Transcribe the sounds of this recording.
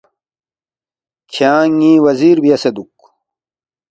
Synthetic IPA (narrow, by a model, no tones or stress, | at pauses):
kʰjaːŋĩːwɐziːɾbijɐsed̪uk